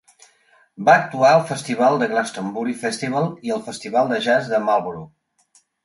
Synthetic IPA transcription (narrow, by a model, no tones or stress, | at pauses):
baək̚t̪uaəlˠfəst̪iβalˠd̪əɣlast̪əmbuɾifɛst̪iβalˠiəlˠfəst̪iβalˠd̪əʒazðəmalˠβɾu